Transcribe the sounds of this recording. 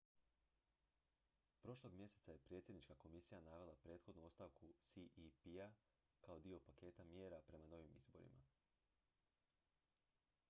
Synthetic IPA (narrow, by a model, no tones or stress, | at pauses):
pɾo̞ʃlˠo̞ɡmʲje̞se̞t̪sajepɾje̞t̪sʲje̞d̪nit͡ʃkako̞misijanaːʋe̞lˠapɾeːt̪xo̞d̪nuo̞st̪aʋkusiʔipia | kao̞d̪io̞pake̞ːt̪amje̞ːɾapɾe̞mano̞ʋimḭzboɾḭma̰